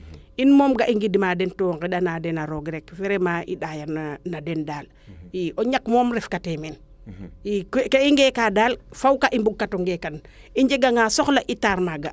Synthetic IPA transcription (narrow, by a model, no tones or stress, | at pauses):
inmoːmɡaʔiŋɡidimadentoŋkiɗanadenaɾoɡɾekfeɾemaʔḭɗajananadendaːl | iʔoɲakmoːmɾefkatemen | ikkeiŋɡekadaːlfawkaʔimbuɡ̚katoŋɡekaniɲd͡ʒeɡaŋasoxlaʔitaɾmaɡa